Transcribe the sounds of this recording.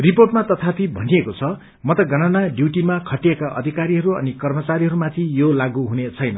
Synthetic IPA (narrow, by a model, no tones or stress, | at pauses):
riporʈmat̪ʌt̪ʰapʰibʱʌniekot͡sʰʌ | mʌt̪ʌɡʌnanaɖjuʈimakʰʌʈiekaʔʌ̰d̪ʱikaɾiɦʌɾuʌ̰nikʌrmʌt͡saɾiɦʌɾumat̪ʰijolaɡuɦunet͡sʰʌjnʌ